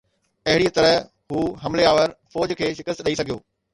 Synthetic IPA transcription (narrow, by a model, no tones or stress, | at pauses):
ɐɦɪɽit̪ɐɾəɦ | ɦuːɦɐmleaːʋəɾfɔːd͡ʑkʰeːʃɪkəst̪ɗɐisɐɡʱijoː